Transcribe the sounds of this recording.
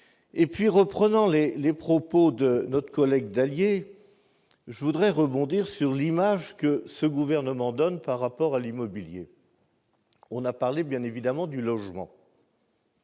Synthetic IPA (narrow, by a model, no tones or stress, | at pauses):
epɥiʁəpχənɑ̃lelepχɔpod̪ənɔt̪χə̥kɔlɛɡ̚d̪alje | ʒəvud̪ʁɛʁəbɔ̃d̪iʁsyʁlimaʒkəsəɡuvɛʁnəmɑ̃d̪ɔnpaʁːapɔʁalimɔbiljḛ | ɔ̃napaʁlebjɛ̃nevid̪amɑ̃d̪ylɔʒmɑ̰̃